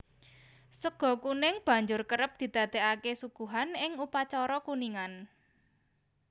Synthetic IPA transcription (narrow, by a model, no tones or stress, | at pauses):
səɡ̥ɔ̤kunɪŋb̥ä̤ɲd͡ʒʊrkəɾəp̚d̪̥i̤d̪̥ä̤d̪̥eakesuɡ̥ṳɦanɪŋupat͡ʃɔɾɔkuniŋan